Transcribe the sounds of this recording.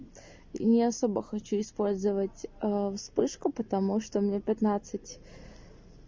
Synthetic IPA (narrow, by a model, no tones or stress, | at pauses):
nʲɪɐsobəxɐt͡ɕuɪspo̞lʲzɨvətʲfspɨʂkʊpət̪ɐmuʂt̪omnʲepʲɪt̪nat̪sɨtʲ